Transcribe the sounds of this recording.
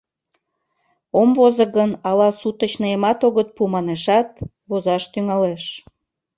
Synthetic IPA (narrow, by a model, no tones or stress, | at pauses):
omvozəɣənɑlɑsut̪ət͡ɕnəjemɑt̪oɣət̪̚pumɑneʃɑt̪̚ | βozɑʃt̪yŋɑleʃ